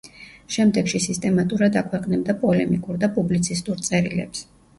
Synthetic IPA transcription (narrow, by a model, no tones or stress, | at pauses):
ʃɛmd̪ɛɡʃisist̪ʼɛmat̪ʼuɾad̪akʰwɛqʼnɛbd̪apʼɔlɛmikʼuɾd̪apʼublit̪sʰist̪ʼuɾt̪sʼɛɾilɛ̰ps